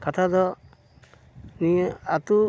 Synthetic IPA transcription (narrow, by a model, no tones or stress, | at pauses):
kat̪ʰad̪ɔ | nieat̪u